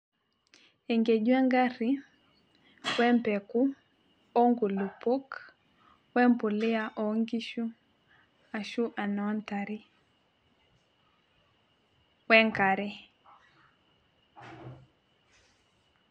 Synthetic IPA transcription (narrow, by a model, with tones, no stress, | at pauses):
ɛ˨ŋɡɛ˨ɟwɛ˦ŋɡa˦ɾi˨ | wɛ˦mpɛ˨ku˦ | ɔ˦ŋɡu˨lu˨po˦k | wɛ˦m˦pu˨lɪ˦a˨ʔɔ˨ŋɡi˦ʃu˦ | a˨ʃu˦ʔa˨nɔ˨˦nta˨ɾi˦ | wɛ˦ŋka˨ɾɛ˦